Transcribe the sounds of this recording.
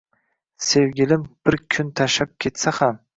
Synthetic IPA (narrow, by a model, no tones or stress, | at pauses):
sewɡʲɪlɪmb̥ɪɾkʲʰʊnt̪ʰaʃap̚kʲʰe̞t̪saham